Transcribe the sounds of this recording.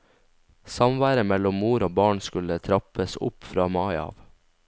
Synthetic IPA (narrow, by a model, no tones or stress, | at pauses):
sɑmʋæːɾəmɛlʊmmuːɾoːbɑːɳskʉlət̪ʰɾɑpəsʊ̰pfɾɑːmɑɪɑ̰ːʋ